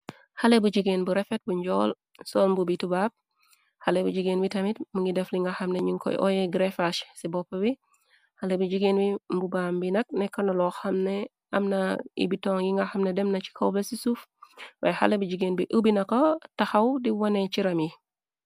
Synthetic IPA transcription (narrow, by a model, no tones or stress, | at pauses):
xɐlɛbud͡ʒiɡeːnbuɾɛfɛt̚buɲɟɔːl | sɔːlmbubitubaːp̚ | hɐlɛbud͡ʒiɡeːnbitɐmitmuŋɡidɛfliŋɡɐxɐmnɛɲiŋkʰɔ̰jʔɔ̰jɛɡɾɛfaʃsibɔpːɐbi | hɐlɛbud͡ʒiɡeːnbimbubaːmbinɐk̚nɛkːɐnɐlɔxɐmnɛ | ɐmnɐḭbitɔŋjiŋɡɐxɐmnɛdɛmnɐt͡ʃi̥kɐwbɛsisufwɐjhɐ̰lɛbud͡ʒiɡeːnbiʔəbinɐkɔtɐxɐwdiwɐnɛt͡ʃiɾɐmji